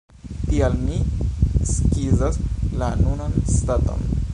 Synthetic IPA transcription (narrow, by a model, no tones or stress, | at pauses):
t̪ijalni | skid͡zaslanunanst̪at̪ə̰m